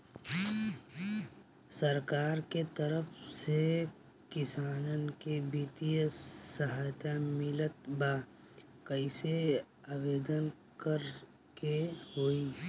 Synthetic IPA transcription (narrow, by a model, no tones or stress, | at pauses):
səɾkaːɾket̪əɾəfʰse | kɪsaːnənkebiːt̪ijəsɐɦaːjt̪amɪlət̪baː | kəise | aːʋeːd̪ən | kəɾ | keɦoːiː